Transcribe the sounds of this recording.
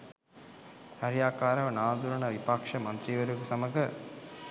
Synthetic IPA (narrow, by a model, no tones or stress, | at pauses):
hɐɾijaːkaːɾɐʋɐnaːd̪uɾɐnɐʋipakʂɐmɐnt̪ɾiʋɐɾuɡusɐməɡə